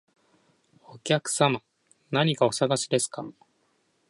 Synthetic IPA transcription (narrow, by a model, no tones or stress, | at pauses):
o̞kʲakɯ̟̥sama | naɲ̟ikaosaɡaɕid̪e̞sɨ̥kam